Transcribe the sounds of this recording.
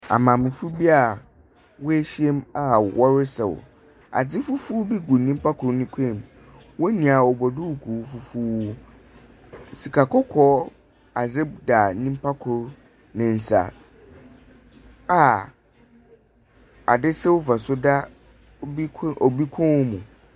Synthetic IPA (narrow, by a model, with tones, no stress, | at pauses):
a̰˨mã˨mɪ̃˨fu˦bi˦a˨ | wʊ˦e˦ɕi˦e˦ma˨wɔ˦ɾɪ˦sɛ˨wʊ̰˨ | a̰˨d͡zɪ˦fu˦fu˦bi˦ɡu˨nĩ˦m̩˦pʰa˦kʰʊ˨ɾnĩ˦kʷʰẽ˦˨m | wɔ˦nĩ˨a˨ɔ˨bɔ˨dʊ˦˨kʰu˨˦fu˦fu˦wu˦˨ | si˨kʰa˨kʰɔ˦kʰɔː˨˦ | a˨d͡zɪ˦b̚da˨nĩ˦m˦pʰa˦kʰʊ˨ɾ | nɪ̃˨n̩˨sa̰˨ | a˨ | a̰˨dɪ˦sɛ˦wʊ˦fa˨sʊ˦da˦ | ɔ˨bi˦kʰɔ̃˦wʊ˦mũ˨